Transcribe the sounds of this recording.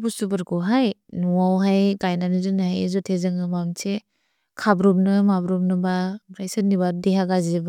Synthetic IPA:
busubɯɾkɔɦajnuawɦajɡajnanizɯnɯhajezɔtʰezɯŋɯmamse | kʰabɾɔmnɯmabɾɔmnɯbaɡɾajsɯnibadeɦaɡazib

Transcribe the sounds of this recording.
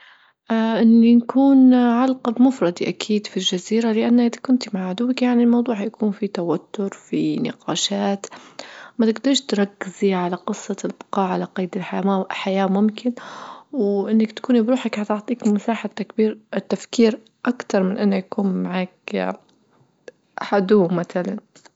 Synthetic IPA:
ʔaʔɪnːinkʰuːnʕalqɑb̪mʊfɾˤɑd̪iʔakʰiːd̪filʒaziːɾalɪʔanːad̪akʊnt̪maʕʕʊd̪ʊwːakjaʕnilmɑwd̪ˤuːħjakʰuːnfit̪awat̪ːʊɾfinɪ̰qɑːʃaːt̪mat̪ɪɡd̪ɑɾˤʃt̪ɾˤɑkːɪziʕalaqɨsˤːɑlbɪ̥qɑːʕalaqɑjd̪ɪlħajaːaħajaːmʊmkɪnwʔɪnːakt̪ḁkuːnibɾuːħakħat̪ʊʕt̪ˤiːkmasaːħat̪ːakbiːɾʔɪt̪ːafkiːɾ | ʔakt̪ɑɾˤmɪnʔɪnːajakuːnmaʕaːk | ħad̪uːmaθalan

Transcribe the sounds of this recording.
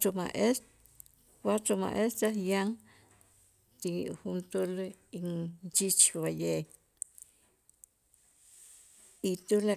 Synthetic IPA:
omaʔe | kwat͡ʃoma̰ʔest̪ajaŋ | t̪ixunt̪ulint͡ʃit͡ʃwaje | it̪ula

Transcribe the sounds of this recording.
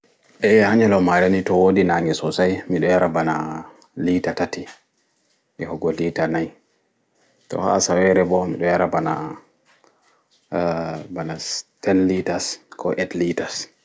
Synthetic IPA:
ʔɛhaɲɛlɔmaɾɛnitɔwodinaŋɛsɔsajmiɗɔjaɾabana | litatati | ʔɛhɔɡɔlitanaj | tɔ̰ha̰sawɛɾɛbɔmiɗɔjaɾabana̰ | banastɛnlitaskʰɔʔɛtlitas

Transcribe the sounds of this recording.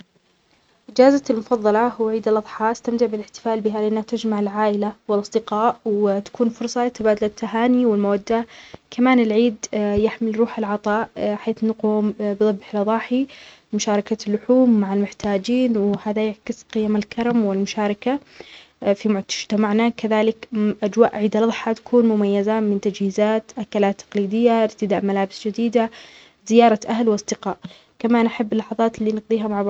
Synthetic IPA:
ʔɪd͡ʒaːzalmʊfɑðˤːɑlɑhʊwʕiːd̪ɪlʔɑðˤħɑːʔst̪amt̪ɪʕbɪlɪħt̪ɪ̥faːlbɪɦalɪʔanːhat̪ad͡ʒmaʕɪlʕaːʔɪlawɪlʔɑsˤd̪ɪqɑːʔwt̪ḁkuːnfʊɾsˤɑɪt̪abaːd̪alat̪ʰːaɦaːniwɪlmawad̪ːakʰamaːnɪlʕiːd̪jaħmɪlɾuːħɪlʕɑt̪ˤɑːʔħeːθnaquːmbɨðˤɑbːħɪlʔɑðˤɑːħi | mʊʃaːɾˤɑkalːʊħuːmːaʕalmʊħt̪aːd͡ʒiːnwhaːðajaʕkɪsqɪjamalkʰɑɾˤɑmwɪlmʊʃaːɾˤɑka | fimʊʊd͡ʒt̪amaʕnakaðaːlɪkʔad͡ʒwaːʔʕiːd̪alɑðˤħat̪ḁkʰuːnmʊmajːazamɪnt̪ad͡ʒhiːzaːt̪ʔakalaːt̪ːɑ̥qliːd̪ɪjːaʔɪɾt̪ɪd̪aːʔmalaːbɪsd͡ʒɪd̪iːd̪a | zɪjɑːɾˤɑʔaɦlwɑsˤd̪ɪqɑːʔ | kamaːnʔaħabːɪlːɑħɑðˤɑːt̪lːiːnɑqd̪ˤiːɦamaʕbɑ

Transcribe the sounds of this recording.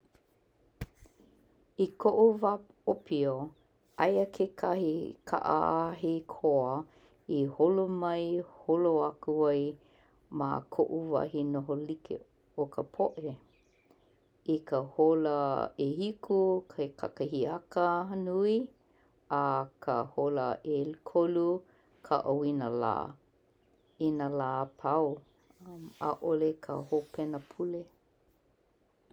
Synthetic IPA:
ikʰoʔuva | opʰio | ajəkʰekʰahikʰa̰ʔa̰aɦikʰoə | iholomɐjholoakuaj | ma̰kʰoʔuva̰ɦinoɦolikʰḛ | okʰəpʰoʔe | ikəholəehikʰukʰajkʰa̰kəhiakənui | akʰəholəʔelkʰolu | kʰə̰ʔawinəla̰ | inəlaːpʰaw | ma̰ʔolekʰə̰hopʰɛnəpʰule

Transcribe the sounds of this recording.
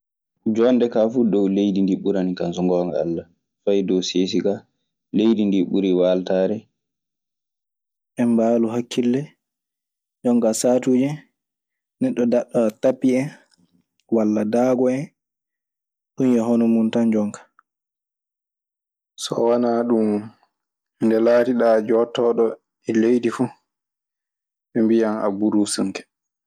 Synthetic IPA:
d͡ʒɔndɛkaːfudɔwlejdindiɓuɾanikansɔŋɡɔːŋɡaa̰lːa | fajdɔwseːs̬iɡa | lejdindiɓuɾiwaːltaːɾɛ | ʔɛmbaːluɦakʰːilːɛ | d͡ʒɔŋkasaːtuːd͡ʒɛ | nɛɗɔdaɗatapːiɛ | walːadaːɡɔɛ | ɗunjɛɦɔnɔmuntand͡ʒɔŋkḁ | sɔ̰wanaːɗum | ndɛlaːtiɗaːd͡ʒɔtɔɗɔ | ɛlejdifu | ɓɛmbijana̰buɾusuŋkɛ̥

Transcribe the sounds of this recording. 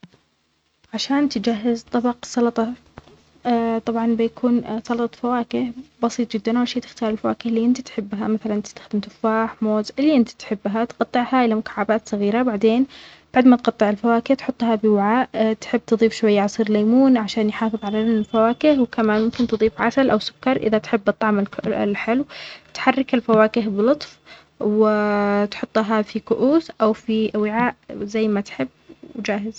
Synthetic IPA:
ʕaʃaːnt̪ɪd͡ʒaɦːɪzt̪ˤɑbɑqsˤɑlɑt̪ˤɑ | t̪ˤɑbʕɑnbɪjakʰuːnsˤɑlɑt̪ˤɑtfawaːkɪhbɑsiːt̪ˤd͡ʒɪd̪ːanʔawalʃeːt̪ɪ̥xt̪ɑːɾˤɪlfawaːkɪhliːʔɪnt̪it̪ħɪbːɦamaθalanʔt̪st̪ḁxd̪ɪmt̪ʊfːaːħmoːzʔɪlːiʔɪnt̪i̥t̪ħɪbːɦat̪qɑt̪ˤːɨʕhaːʔɪlamʊkḁʕːabaːt̪sˤɑɣiːɾabaʕd̪eːn | b̥aʕd̪mat̪qɑt̪ˤːɨʕɪlfawaːkɪht̪ħʊt̪ˤːhɑbɪwaʕaːʔt̪ħɪbːt̪ɨðˤiːfʃwajːaʕɑsˤiːɾlaːmuːnʕaʃaːnjħɑːfɨðˤʕalafawaːkɪhwkamaːnmʊmkɪnt̪ɨðˤiːfʕasalʔawsʊ̥kːɑɾˤʔɪ̰ðat̪ħɪbːʔɑt̪ˤɑʕmɪl̰lħɪlwt̪ħarːɪkɪlfawaːkɪɦbɪlʊt̪ˤf | wɪt̪ħʊt̪ˤːɦafikʊʔuːsʔawfiʔwɪʕaːʔzajːmat̪ħɪbːwd͡ʒaːɦɪz̥

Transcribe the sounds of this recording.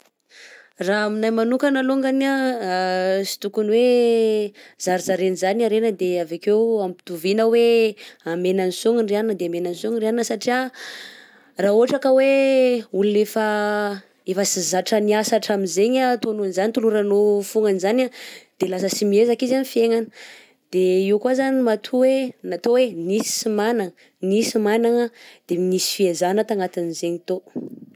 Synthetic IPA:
raaminajmanukanaloŋɡana | si̥t̪ukunwe | zaɾizaɾenizanaɾenəd̪eavakewampi̥t̪uvinəweamenanisuŋinrianinəd̪eamenansuŋinraninəsaʈ͡ʂia | raːoaʈ͡ʂakəweulunefa | efəsizaʈ͡ʂəniasaʈ͡ʂaminzeɲat̪onunzanit̪uluɾanofuŋanizanad̪̥elasəsimiezakizanifieŋanə̥ | d̪̥eiwkwazanimat̪ʰuwenat̪owenisi̥imanaŋə | nisimanaŋəd̪̥eminisi̥fiezanət̪aŋat̪anizeɲit̪o

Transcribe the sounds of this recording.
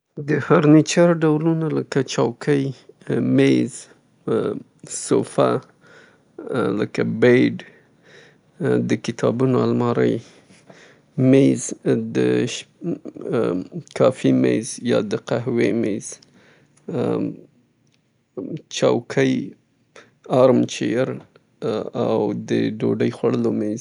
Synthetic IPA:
d̪əhaɾnit͡ʃɑɾɖawlunaləkat͡ʃɑwkʰəjmez | sofa̰ | ləkabejɖ | d̪əkɪt̪ʰɑbunoalmɑɾə̰j | mezd̪əʃ | kɑfimezjɑ̰d̪əqaɦwemez̥ | t͡ʃɑwkʰəj | ɑɾmt͡ʃeɾ | a̰wd̪əɖoɖəjxwaɽəlomez

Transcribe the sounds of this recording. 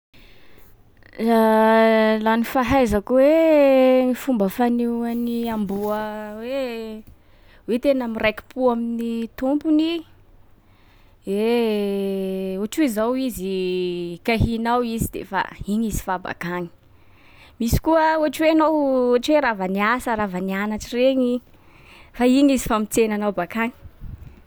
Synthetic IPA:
a | lanifaɦajzakuwe | ifumbəfanianiambuəwe | wet̪enamirajki̥puaminit̪umpuni | e | uaʈ͡ʂuizawizi | kaɦinawizid̪ḛfa̰iɲizi̥faba̰kaɲi̥ | misi̥kuəuaʈ͡ʂwenowaʈ͡ʂweɾavaniasəɾavanianaʈ͡ʂireɲi | faiɲizifamit͡senanawbakaŋi̥

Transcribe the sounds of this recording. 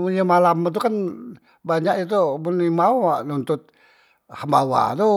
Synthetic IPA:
muamalamat̪̬ukan | baɲaʔit̪̬umunimauaʔnunt̪ʊt̪̚ | həmbawa̰t̪u

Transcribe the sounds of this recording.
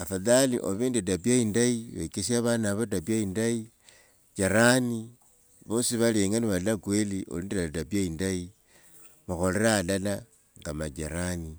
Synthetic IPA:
afaðalḭʔoβindedabiaindaiβaikesjaβanaβadabiaindai | d͡ʒaɾani | βosiβaleŋaniβalakwelio̰liːndeadabiaindai | maxo̞leɾaːlala | ŋɡamaɟḛɾani

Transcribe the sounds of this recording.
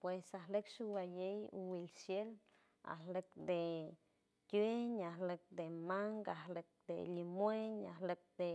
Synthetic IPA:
pwesaɦlekʃubajejṵwilsjel | a̰hlek̚d̪e | keɲahlek̚d̪emaŋɡaɦlek̚d̪ḛlimweɲa̰hlek̚d̪e

